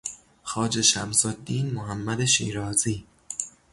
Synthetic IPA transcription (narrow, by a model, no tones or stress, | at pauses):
xɒːd͡ʒe̞ʃæmsod̪ːiːnmoɦæmːæd̪eʃḭːɾɒːziː